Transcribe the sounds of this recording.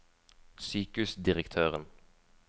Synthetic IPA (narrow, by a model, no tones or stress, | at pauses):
syːkʉsd̪ɪʁəkt̪ʰøːʁən